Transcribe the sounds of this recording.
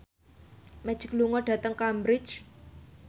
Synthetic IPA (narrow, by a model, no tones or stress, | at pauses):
mɛ̥d͡ʒ̥ɪkluŋɔɖ̥ä̤t̪əŋkambɾɪ̥t͡ʃ